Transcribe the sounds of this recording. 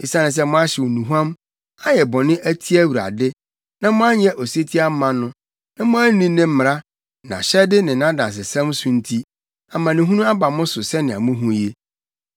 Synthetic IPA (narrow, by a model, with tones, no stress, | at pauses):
i˨sã˦nɪ̃˨s̬ɛ˦mʊ̃˦a˦ɕɛ˨wo˨nũ˨ɦu˦ã˦m | a˦jɛ˨bɔ̃˨nɪ̃˦ʔæ˦tʰi˦æ˦wu˨ɾa̰˨dɪ˦ | nã˦mʊ̃˦a˦ɲɛ̃˦ʔo˨se˦tʰi˦a˦mã˨nʊ̃˦ | nã˦mʊ̃˦æ˦nĩ˦nɪ̃˦m̩˦mɪ˨ɾa˦ | nã̰˨ɕɛ˦dɪ˦nɪ̃˨nã˦dã˨ns̬ɪ˨sã˦msʊ̃˦n̩˦tʰi˦ | a˨mã˨nɪ̃˨ɦũ˦nũ˦a˦ba˨mʊ̃˦sʊ˨sɛ˦nɪ̃˨a̰˨mʊ̃˦ɦũ˦je˦